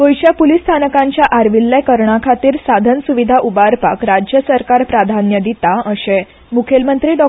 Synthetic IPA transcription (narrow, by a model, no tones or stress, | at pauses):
kojɕjapulist̪ʰanəkãɲt͡ɕjaʔaɾʋilːəkəɾɳakʰat̪iːɾsad̪ʱənsuʋid̪ʱaʔubaɾpakɾad͡ʑjəsəɾkaɾpɾad̪ʱanjəd̪it̪aəɕẽ | mukʰelmənt̪ɾiːɖɔ